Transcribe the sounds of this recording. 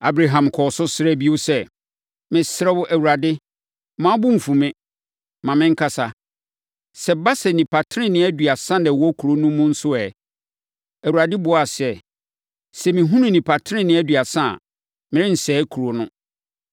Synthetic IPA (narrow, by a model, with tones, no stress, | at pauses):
a˨bɾa˨ɦã˨mkʰɔ˨sʊ˦sɪ˦ɾɛ˦bi˦o˦sɛ˦˨ | mɪ̃˨sɛ˦wʊ˦ʔæ˨wu˨a˨dɪ˦ | mã˦bʊ̃˦m̩˨fũ˨mɪ̃˦ | mã˨mɪ̃˦ŋ̩˦kʰa˦sa˨ | sɛ˨ba˦sɛ˨nĩ˨pʰa˨tʰɾɪ̃˦nɪ̃˨˦æ˦dɥa˨sã˦nɛ̃˨wɔ˦kʰu˨ɾo˦nʊ̃˦mːũ˦n̩˦sʊ˦ɛ˨ | æ˨wu˨ɾa˨dɪ˦bʊ˨˦a˨sɛ˦ | sɛ˨mĩ˨ɦũ˦nʊ̃˦nĩ˨pʰa˨tʰɪ˦ɪ̃˦nɪ̃˦æ˦dɥa˨sã̰˦˨ | mɪ̃˨ɾɪ̃˦n̩˨sɛː˨˦kʰu˨ɾo˦nʊ̃˦